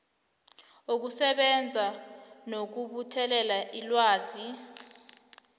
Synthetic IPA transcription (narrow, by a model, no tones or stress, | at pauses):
uk̬usɛɓɛnd͡zʱanok̬uɓutʰɛlɛlaʔilwaːzi